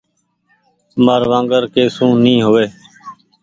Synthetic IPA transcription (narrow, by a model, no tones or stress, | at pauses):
məːɾʋãːŋɡəɾkeːsũːnĩːɦoːʋeː